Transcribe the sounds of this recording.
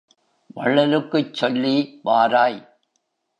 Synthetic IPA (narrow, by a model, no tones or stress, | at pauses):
ʋɐɭːɐlɯkːɯt͡ʃːɔlːiʋaːɾaːj